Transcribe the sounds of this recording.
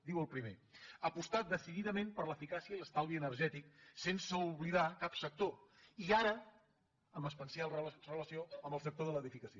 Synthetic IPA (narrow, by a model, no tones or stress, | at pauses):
d̪iwəlˠpɾimeəpust̪at̪̚d̪əsiðiðəmẽmpəɾləfikasiəiləst̪alˠβiənəɾʒɛt̪iksensəuβliðakapsək̚t̪oiaɾə | əməspənsiarələsioəmbəlˠsək̚t̪oðələðifikəsio